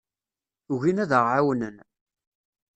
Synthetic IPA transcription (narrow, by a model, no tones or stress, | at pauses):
uʝinæðəʁʕawnən